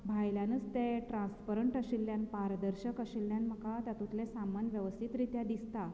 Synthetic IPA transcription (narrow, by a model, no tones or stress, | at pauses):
bʱajljanət͡st̪eʈɾãnspəɾəɳʈəɕilːjanpaɾd̪əɾɕəkəɕilːjanm̤əkat̪jat̪ũt̪lesamanʋjəʋəst̪ʰit̪ɾit̪jad̪ist̪a